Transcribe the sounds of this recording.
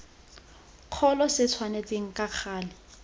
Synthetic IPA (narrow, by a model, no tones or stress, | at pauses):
q͡χʰɔlɔsɪt͡sʰwanet͡sʼeŋ̩kʼaq͡χʰaːlɪ